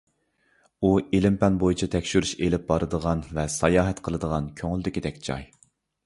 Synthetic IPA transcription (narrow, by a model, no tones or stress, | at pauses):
uelɪmpɛnbojit͡ʃʰit̪ʰɛkʲʃyɾyʃelɪp̚bɑɾɨd̪əʁɑnvɛsɑjɑːɦɛt̪qʰəlˠɨd̪əʁɑnkʲʰøŋld̪ɪkʲid̪ɛkʲd͡ʒɑ̰j